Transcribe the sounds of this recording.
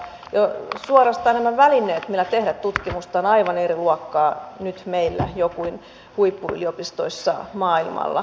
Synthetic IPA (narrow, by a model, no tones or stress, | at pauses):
josuorɑst̪ɑːnæmæʋælinːˑeːt̪milːæt̪ehɾæt̪t̪ut̪kimust̪ɑonɑiʋɑneriluɑkːɑːnyt̪meilːæ̰jokuin | huipːuy̰liopist̪o̰isːɑmɑːilmɑ̰lːɑ̰